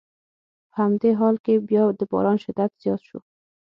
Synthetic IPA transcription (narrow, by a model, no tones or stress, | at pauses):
pəhamd̪eɦɑlkebjɑd̪əbɑ̰ɾɑnʃɪd̪ːat̪z̥jɑt̪ʃṵ